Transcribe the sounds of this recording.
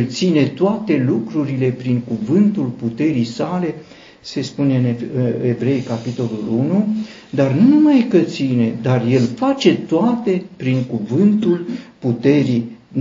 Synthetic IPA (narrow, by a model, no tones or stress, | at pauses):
lt̪sine̞t̪oat̪e̞lukɾuɾile̞pɾiŋkuvɨnt̪ulput̪e̞ɾijsale̞ | se̞spune̞ɨnevɾe̞jkapit̪o̞lulunu | d̪arnunumajkət̪sine̞d̪arje̞lfat͡ʃe̞t̪oat̪e̞pɾiŋkuvɨnt̪ulput̪e̞ɾi